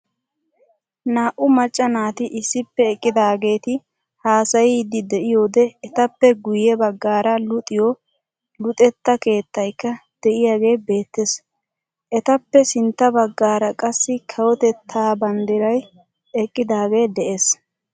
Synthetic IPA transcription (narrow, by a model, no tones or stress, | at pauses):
naːʔʊmɐt͡ʃʼːɐnaːt̪ɪʔɪsːɪpːɛːkʼːɪd̪aːɡe̞ːt̪ɪ | haːsɐjɪd̪ɪd̪ɛʔɪjo̞ːd̪ɛːt̪ɐpːɛɡʊjɛbɐɡːaːɾɐlʊt̪ʼɪjɔ | lʊt̪ʼɛt̪ːɐke̞ːt̪ːɐjkːɐd̪̥ɛʔɪjaːɡe̞ːbe̞ːt̪ːes | ʔɛt̪ɐpːɛsɪnt̪ːɐbɐɡːaːɾɐkʼɐsːɪkʰɐwɔt̪ɛt̪ʰːaːbɐnd̪ɪɾɐj | ɛkʼːɪd̪aːɡe̞ːd̪ɛʔeːs